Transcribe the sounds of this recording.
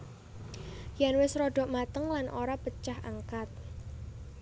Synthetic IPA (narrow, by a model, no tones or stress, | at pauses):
janwɪsɾoɖ̥ɔ̤ʔmat̪əŋlanʔoɾapət͡ʃahaŋkat̪̚